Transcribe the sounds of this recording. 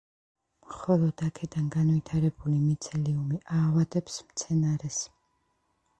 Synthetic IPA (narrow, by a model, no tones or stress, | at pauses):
mχɔlˠɔd̪akʰɛd̪anɡanvit̪ʰaɾɛbulimit̪sʰɛliumiʔaːvad̪ɛpsmt̪sʰɛnaɾɛs